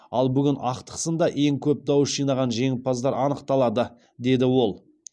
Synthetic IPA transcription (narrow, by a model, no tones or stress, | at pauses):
ɑlˠbʏɡʲɪnʔɑqt̪ə̥qsənd̪ɑʔe̞ŋkʲʰɵp̚d̪ɑwəsʒijnɑʁɑnʒe̞ŋʲɪpɑzd̪ɑɾɑnəqt̪ɑlˠɑd̪ə | d̪e̞d̪ɪwo̞lˠ